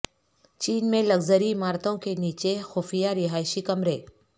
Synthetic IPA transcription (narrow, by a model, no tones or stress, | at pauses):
t͡ʃiːnmẽlɐɡzəɾimaːɾt̪õkeniːt͡ʃexoːfijaɾɪɦaːɪʃikɐmɾeː